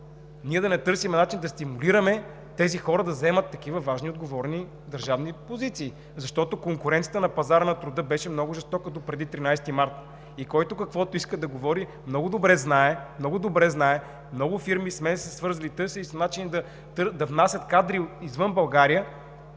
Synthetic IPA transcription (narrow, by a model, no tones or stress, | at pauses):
niɛd̪ɐnɛt̪ɤɾsimɛnat͡ʃind̪ɐst̪imuliɾəmɛ | t̪ɛzixɔɾəd̪ɐzɛmɐt̪ːɐk̟ivəvaʒniod̪ɡovɔɾni | d̪ɐɾʒavnipozit̪siː | zɐʃt̪ɔt̪okoŋkʊɾɛnijət̪ənɐpɐzaɾənɐt̪ɾʊd̪ɤbɛʃɛmnɔɡʊʒɛst̪ɔkət̪opɾɛd̪it̪ɾinajsɛt̪imaɾt̪ | ikɔjt̪ʊkɐkvɔt̪oiskəd̪ɐɡovɔɾi | mnɔɡʊd̪obɾɛznaɛmnɔɡʊd̪obɾɛznaɛ | mnɔɡʊfiɾmismɛsɛsvɤɾzɐlit̪ɤɾsilisɐnat͡ʃinid̪ɐ | t̪ɾd̪ɐvnasʲɐt̪kad̪ɾiizvɤnbɐlˠɡaɾijə